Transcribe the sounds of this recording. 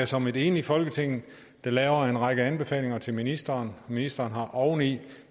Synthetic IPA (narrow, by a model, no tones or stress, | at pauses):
æsɒ̽me̝d̥e̝ːnifɒ̽lɡ̥ət͡sʰe̝ŋ̰n̩ | d̥ɑlɛːʊɐe̝nʁɑ̈ɡ̥əænb̥e̝fɛ̰ːle̝ŋɐt͡sʰe̝lminisd̥ɐːnminisd̥ɐːnɦɑ̈ʔɒʊn̩i